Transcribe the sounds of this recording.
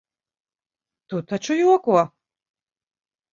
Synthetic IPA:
t̪ut̪ʰat͡ʃujuɔkuɔ

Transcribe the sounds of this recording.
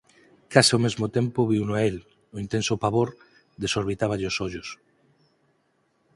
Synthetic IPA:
kasɪomezmot̪ẽmpoβiwnoael | oint̪ẽnsopaβoɾ | d̪esoɾβ̞it̪aβ̞aʎosoʎos

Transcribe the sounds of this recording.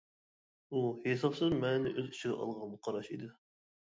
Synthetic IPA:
uhesɑpsɨzmɛnnɪʔøzy̥t͡ʃʰɪɡʲɛ̰ʔɑ̰lˠʁɑnmʊqʰɑɾɑʃid̪ɪ

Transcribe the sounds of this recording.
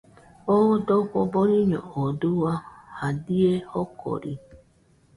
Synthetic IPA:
ɔdɔkʷɔbɔɾiɲɔ̰oduwahadiehɔkʰɔ̰ɾḭ

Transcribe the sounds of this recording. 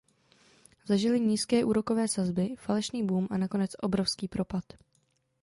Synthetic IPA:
zaʒɪlɪɲiːskɛːʔuːɾo̞ko̞vɛːsazbɪfalɛʃniːbuːmʔanako̞nɛt͡sʔo̞bɾo̞fskiːpɾo̞pat̪

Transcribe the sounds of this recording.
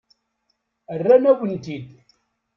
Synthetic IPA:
ərːænæwənt̪id̪

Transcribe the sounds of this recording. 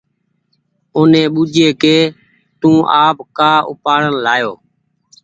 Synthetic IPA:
ʊnẽːɓuːd͡ʒeːkeː | t̪ũːʔaːpkaːʔʊ̰paːɽənlaːjoː

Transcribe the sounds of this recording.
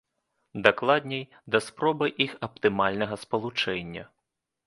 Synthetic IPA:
d̪aklˠad̪ʲnʲɛj | d̪ɐspɾɔbɐjʔixɐp̚t̪ɨmalʲnɐɣɐspɐlˠut͡ʂɛnʲːɐ̰

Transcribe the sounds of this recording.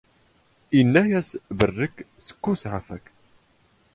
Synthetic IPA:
inːæjæsbərːəkːsə̥kːusʕafæk

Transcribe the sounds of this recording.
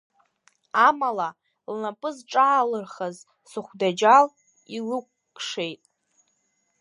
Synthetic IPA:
amala | lnapʼɨzʈ͡ʂʼaːlɨrχaz | sɨχʷdad͡ʒal | ilɨk̚ʷːʼʂe̞jtʼ

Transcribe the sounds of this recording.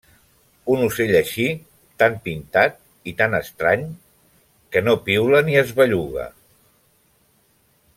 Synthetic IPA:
unuseʎəʃi | t̪ampint̪at̪̚ | it̪anəst̪ɾaɲ | kənopiwləniəzβəʎuɣə̰

